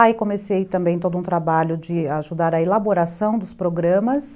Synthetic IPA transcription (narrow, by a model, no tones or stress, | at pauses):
aikõmesejt̪ɐ̃mbẽj̃t̪od̪ʊũt̪ɾabaʎʊd͡ʒɪaʒud̪aɾɐelaboɾasɐ̃w̃d̪ʊspɾoɡɾɐ̃mɐs